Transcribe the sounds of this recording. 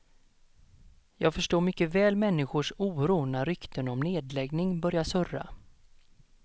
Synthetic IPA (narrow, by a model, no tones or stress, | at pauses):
jɑːɡfœʂʈoːɾmʏkːəvɛːlmɛnːɪɧʊʂuːɾuːnaɾʏkt̪ʰənɔmneːd̪lɛɡnɪŋbœɾjasœra̰